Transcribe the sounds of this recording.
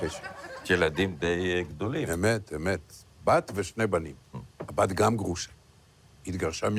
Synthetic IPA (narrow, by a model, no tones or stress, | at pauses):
eʃjelad̪imd̪ejɡd̪oliemet̪emet̪ | bat̪veʃne̞banimabat̪ɡamɡʁuʃḁ | hit̪ɡaʁʃam